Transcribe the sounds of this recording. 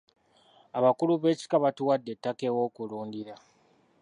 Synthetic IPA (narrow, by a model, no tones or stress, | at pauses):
aβakuluβe̞ːci̥kaβatuwadːe̞tːake̞wo̞ːkuluːndiɾa